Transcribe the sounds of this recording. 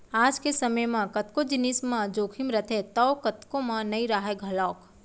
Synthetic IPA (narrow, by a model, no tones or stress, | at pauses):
aːd͡ʒkesəməjmãkɐt̪kod͡ʒɪnismãd͡ʒoːkʰimɾət̪ʰet̪ɔwkət̪kõmãnəiɾaɦeɡʱɐlɔːk